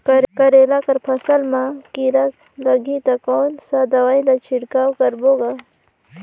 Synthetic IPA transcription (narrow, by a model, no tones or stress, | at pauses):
kɐɾkɐɾeːlakɐɾpʰɐsɐlmãkiɾa | lɐɡʱit̪akoːnsad̪ɐwaːilat͡ʃʰiɽkaːwkɐɾboːɡa